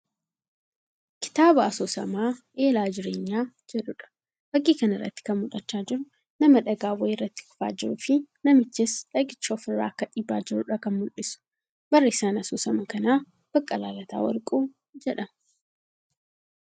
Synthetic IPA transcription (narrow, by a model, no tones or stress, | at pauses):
kɪ̥t̪aːbɐɐsoːsɐ̰maːʔe̞ːlaːd͡ʒɪɾḛːɲːaːd͡ʒɛᶑʊᶑɐ̥ | b̥ɐɡiːkɐnɪrːɐ̰t̪ːɪ̥kɐnmʊᶑɐt͡ʃːaːd͡ʒɪɾʊ | nɐmɐᶑɐɡaːwɐjrːɐt̪ːɪ̥kʊ̥fa̰ːd͡ʒɪɾʊfɪnɐmɪt͡ʃːɪsᶑɐɡɪt͡ʃːoːfɪrːa̰ːkːɐᶑiːbːa̰ːd͡ʒɪɾʊᶑɐkɐnmʊlɪsʊ̥ | bɐrːɐɪsaːnɐsoːsɐmɐkɐnaː | b̥ɐkʼːɐlaːlɐt̪a̰ːwɐ̰ɾkʼuː | d͡ʒɛᶑɐm